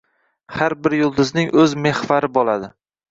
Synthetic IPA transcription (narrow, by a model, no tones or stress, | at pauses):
haɾbɪɾjʊlˠd̪ʊznɪŋʔɵzme̞hvaɾɪbɒlad̪ɪ